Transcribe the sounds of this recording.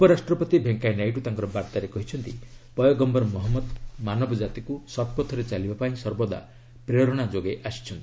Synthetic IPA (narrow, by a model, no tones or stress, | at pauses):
upɔɾasʈɾɔpɔt̪ibʱeŋkajnajʈut̪aŋkɔɾɔbaɾt̪aɾekɔɦit͡ʃʰɔnt̪ipɔjɔɡɔmbɔɾmɔɦɔmːɔd̪manɔbɔd͡ʒat̪ikusɔt̪̚pɔt̪ʰɔɾet͡ʃalibapaĩsɔɾbɔd̪a̰ | pɾeɾɔɽ̃ad͡ʒoɡeʔasi̥t͡ʃʰɔnt̪i